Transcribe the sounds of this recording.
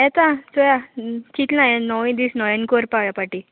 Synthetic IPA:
ɛt̪ãsojat͡ɕit̪najenɔʋĩd̪isnɔjənkoɾpaʋjapaʈi

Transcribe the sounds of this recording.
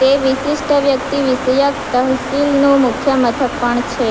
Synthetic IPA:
t̪eʋɪʃɪʃʈʰəʋjəkt̪iʋɪsəjakt̪əɦsilnomʊkʰjəmət̪ʰəkpəɳt͡ʃʰe

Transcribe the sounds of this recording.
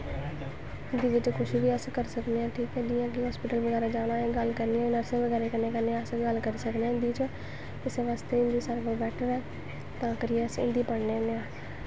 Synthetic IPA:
ɪnd̪iːʋɪt͡ʃkʰʊʃibiːəskəɾsəkneːãːʈʰiːkɛːd̪ɪjãːkɪɦɔːspɪːʈəlʋəɡɛːɾaːd͡ʒaːɽ̃ãːeːɡəlkəɾniɛ̃nəɾsẽːʋəɡɛːɾeːkəneːkəɾneːəsɡəlkəɾisəkneɛ̃ːɪnd̪iːt͡ʃː | ɪseʋaːst̪eːɪ̃nd̪iːsaɾkoːbɛːʈʰəɾɛː | t̪ãːkəɾieəsɪ̰nd̪iːpəɽneːneãː

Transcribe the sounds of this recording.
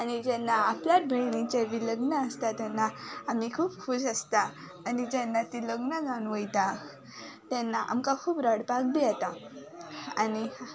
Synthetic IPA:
añid͡ʑɛnːaapljat̪̚bʱeɭɳit͡ɕeʋiləɡnəəst̪at̪ɛnːaamikʰuːpkusəst̪aː | nid͡ʑɛnːat̪iləɡnəɡãnʋəjt̪a | t̪ɛnːaʔa̰mkakʰuːpɾəɽpak̚bʱiat̪a | ani

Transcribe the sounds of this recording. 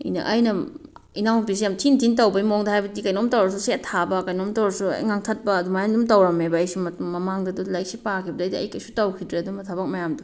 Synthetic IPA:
ɐ̰jnɐ̰ʔɐjnɐinawunpis̬ijamtʰintʰintɐwbɐimoŋdɐhajbɐdikɐjnomtɐwɾɐsusetʰabɐkɐjnomtɐwɾɐsuɐ̰jŋaŋtʰɐt̚bɐːdumajandumtɐwɾɐmebɐːjsumɐtuŋmɐmaŋdɐdulajk̚sipakʰibɐdɐjdiɐ̰jkɐjsutɐwkʰidɾeɐdumɐtʰabɐk̚mɐjamdu

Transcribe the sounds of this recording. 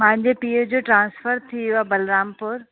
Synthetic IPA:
mãɦɪ̃ɲd͡ʑepiːəd͡ʑoːʈɾãːnsfəɾt̪ʰiabɐlɾaːmpʊɾ

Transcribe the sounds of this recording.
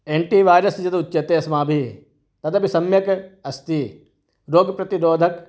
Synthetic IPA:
eːɳʈiːʋaːjɾɐsd͡ʒɐt̪ʊtːt͡ʃɐt̪eːɐsmãːbʱi | t̪ɐt̪ɐbʱisɐmjɐkɐst̪i | ɾoːɡpɾɐt̪iɾoːd̪ʱɐk

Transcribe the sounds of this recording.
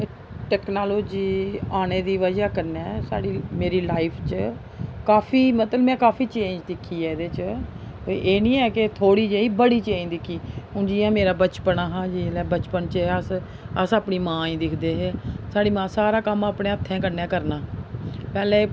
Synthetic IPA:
ʈɛːknaːloːd͡ʒiːaːneːd̪iːʋəd͡ʒaːkəɾnɛːsa̰ːɽiːmeːɾiːlaːɪpʰt͡ʃ | kaːpʰiːmət̪ləmɛ̃ːkaːpʰiːt͡ʃẽːd͡ʒd̪ɪkʰːiːɛːd̪eːt͡ʃ | oʔeːnĩːɛːket̪ʰoːɽiːd͡ʒeːiːbəɽiːt͡ʃẽːd͡ʒd̪ɪkʰːiːɦʊ̃ːd͡ʒiːãːmeːɾaːbət͡ʃpənaːɦãːd͡ʒiːlɛːbət͡ʃpənt͡ʃːəs | əsaːpniːmãːĩːd̪ɪkʰd̪eːɦeːsaːɽiːmãːsaːɾaːkəmaːpɳẽːət̪ʰːɛ̃ːkəɾnɛːkəɾnaːpɛːlẽː

